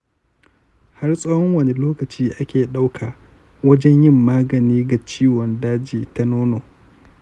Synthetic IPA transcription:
ha˦rsʼɐː˦wɔ˦ŋwɐ˨ne˨loː˦kɐ˨t͡ʃiː˦ʔa˦kʲeː˨ɗa˦wkʰaː˨ | wɐ˦d͡ʒɛ˦ɲjɪ˦˨mːaː˦ɡɐ˨niː˦ɡa˨t͡ʃiː˦wɔ˨ndaː˦d͡ʒiː˨ta˦noː˦noː˨

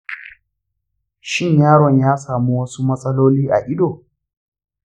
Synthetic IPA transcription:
ʃɪ˦ɲjaː˦ɽɔ˨ɲjaː˦saː˨mu˦wɐ˦su˦mɐ˦sʼɐ˦loː˦liː˦ʔa̰˨ʔɪ˦doː˨

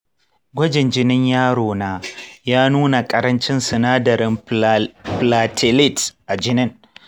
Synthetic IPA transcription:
ɡʷɐ˦d͡ʒɪ˨nd͡ʒɪ˦nɪ˦ɲjaː˦ɽoː˨naː˦jaː˦nuː˦na˨kʼɐ˦˨ɾɐ˦nt͡ʃɪ˦nsɪ˨naː˦dɐ˨ɾɪ˦m | plaː˨tʰɪ˨lɪ˦˨tʔa˨d͡ʒɪ˦nɪ˦ŋ

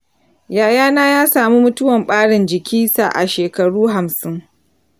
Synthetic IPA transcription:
jaː˨jaː˦naː˦jaː˦saː˨mu˦mʊ˦tʊ˦wɐ˨mɓaː˦ɽɪ˨nd͡ʒɪ˨kʲʰiː˦sa̰˨ʔa̰˨ʃeː˨kɐ˨ɽuː˦ɦa˨msɪ˦ŋ

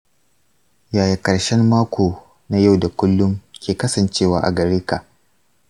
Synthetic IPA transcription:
jaː˨ji˨kɐ˨ɽʃɛ˦mːaː˦kʷʰoː˨ | na˦ja˦˨wda˨kʷʊ˦lːʊ˦mkʲʰeː˨kɐ˦sɐ˨nt͡ʃeː˦˨waː˨ʔa̰˨ɡɐ˨ɽeː˦ka˨ʔ

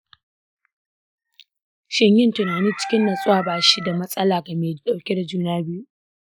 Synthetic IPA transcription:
ʃɪ˦˨ɲjɪ˦ntʊ˨naː˨niː˦t͡ʃɪ̥˦kʲɪ˦nːa˨sʼʊ˦waː˨baː˨ʃi˦da˨mɐ˦sʼɐ˦laː˨ɡa˨meː˨ɗa˨wkʲe˦da˨d͡ʒuː˦naː˦bɪ˦ju˦ʔ

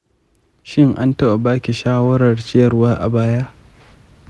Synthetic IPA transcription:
ʃɪ˦ŋʔa˦ntɐ˦ʔa˨baː˦kʲi˨ʃaː˦wɐ˦ɾɐ˨rt͡ʃɪ˦jɐ˨rwaː˦ʔa̰˨baː˦ja˦ʔ

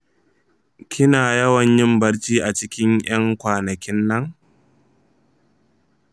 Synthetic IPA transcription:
kʲɪ˦naː˨jɐ˦wɐ˨ɲjɪ˦mbɐ˦ɽt͡ʃiː˦ʔa˨t͡ʃɪ˦kʲɪ˦ŋjɐ˦ŋkʷaː˨nɐ˨kʲɪ˦nːɐ˦ŋ

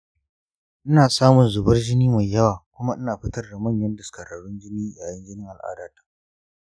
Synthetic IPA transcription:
ʔɪ˦naː˨saː˦mʊ˨nzʊ˨bɐ˦rd͡ʒɪ˦niː˦ma˨jːɐ˦waː˨kʷʊ˦ma˦ʔɪ˦naː˨ɸɪ˦tɐ˦rda˨mɐ˦˨ɲjɐ˦ndɐ˨skɐ˨ɽa˨ɽʊ˦nd͡ʒɪ˦niː˦jaː˨jɐ˦nd͡ʒɪ˦nɪ˦ŋʔa˨lʔa̰ː˦daː˦tḁː˨

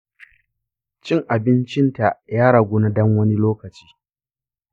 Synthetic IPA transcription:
t͡ʃɪ˦ŋʔa˨bɪ˦nt͡ʃɪ˦nta˨jaː˦ɽa˨ɡʷoː˦na˦dɔ˦ŋwɐ˦ni˦loː˦kɐ˨t͡ʃi̥ː˦

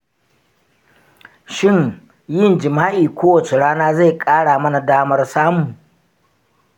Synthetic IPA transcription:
ʃɪ˦˨ɲ | jɪ˦˨nd͡ʒɪ˨maː˦ʔiː˨kʷoː˦wɐ˨t͡ʃe˨ɽaː˦naː˦za˦˨jkʼaː˦ɽaː˨mɐ˦na˨daː˦mɐ˦rsaː˦mu˨

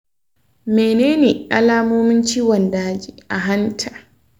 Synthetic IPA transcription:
meː˨neː˦neː˨ʔa̰˨laː˦moː˦mɪ˦nt͡ʃiː˦wɔ˨ndaː˦d͡ʒiː˨ʔa˨ɦa˦ntʰaː˨

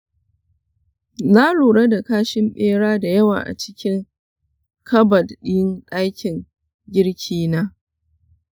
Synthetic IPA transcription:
naː˦ɽuː˨ɽa˦da˨kaː˦ʃɪ˦mɓeː˦ɽaː˦da˨jɐ˦wa̰ː˨ʔa̰˨t͡ʃɪ̥˦kʲɪ˦ŋ | kʰɐ˦bɐ˨dɗɪ˦jɪ˦nɗa˦jkʲɪ˨ŋ | ɡʲɪ˦ɽkʲʰiː˦naː˦

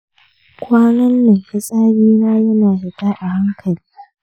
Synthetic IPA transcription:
kʷʼaː˦nɐ˦nːɪ˨ŋhɪ˦sʼaː˦biː˦naː˦jɐ˦naː˨hɪ˨taː˦ʔa˨ha˦ŋkʰɐ˨liː˦a˦ʔ

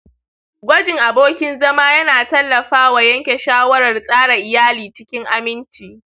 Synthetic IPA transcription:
ɡʷɐ˦d͡ʒɪ˨ŋʔa˨boː˦kʲɪ˦nzɐ˦maː˦jɐ˦naː˨tɐ˦lːɐ˨ɸaː˦wa˨jɐ˦ŋkʲe˨ʃaː˦wɐ˦ɽɐ˨rsʼaː˦ɽa˨ʔɪ˨jaː˦liː˨t͡ʃɪ˦kʲɪ˦ŋʔa˦mɪ˦nt͡ʃiː˨

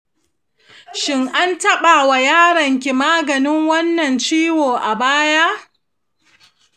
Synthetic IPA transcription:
ʃɪ˦ŋʔa˦ntɐ˦ɓa˨wa˨jaː˦ɽɐ˨ŋk̬ʲi˨maː˦ɡɐ˨nɪ˦ŋwɐ˦nːɐ˨nt͡ʃiː˦woː˨ʔa˨baː˦jaː˦

